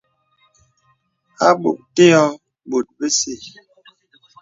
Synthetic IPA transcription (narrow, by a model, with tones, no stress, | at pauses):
a˦ɓṵ˨ʔ̚te˦ɔ˦ | ɓo˨t̚bə˦si˦˨